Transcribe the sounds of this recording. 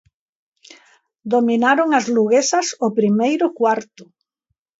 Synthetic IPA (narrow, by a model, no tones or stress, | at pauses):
d̪ominaɾoŋazluɣesɐsʊpɾimejɾʊkwaɾt̪ʊ